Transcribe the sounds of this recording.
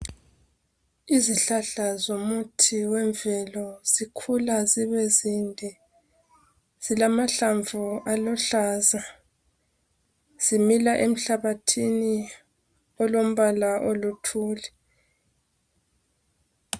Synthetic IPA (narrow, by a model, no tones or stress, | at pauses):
iziɬaɬazomutʰiwɛɱvɛlɔzikʰulaziβɛzindʱɛ | z̥ilamaɬaɱvualɔɬaːza | z̥imilaʔem̩ɬaβatʰini | ɔlom̩βalaʔolutʰuːlɛ